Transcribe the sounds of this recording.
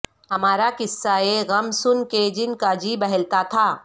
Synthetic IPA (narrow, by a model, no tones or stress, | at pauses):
ɦɐmaːɾakɪsːaeɣɐmsʊnked͡ʒɪnkad͡ʒibɛɦɛlt̪at̪ʰaː